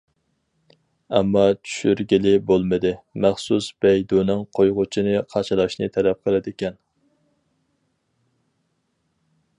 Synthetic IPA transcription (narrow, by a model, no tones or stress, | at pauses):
ɛmːɑt͡ʃʰy̥ʃyɾɡʲilɪbolˠmɨd̪ɪmæχsusb̥ɛjd̪onɨŋqʰojʁʊt͡ʃʰinɨqʰɑʃɨlˠɑʃnɨ̰t̪ʰɛlɛp̚qʰəlˠɪd̪ɪkʲɛn